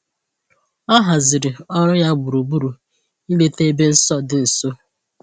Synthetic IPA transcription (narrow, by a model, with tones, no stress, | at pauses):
ɔ˦ɦa˨zɪ˨ɾɪ˨ɔ˦ɾɔ˦ja˦bʊ˨ɾu˨bu˦ɾu˨ | i˦le˦te˦e˦be˦n̩˦sɔ˦dɪ˨n̩˨so˦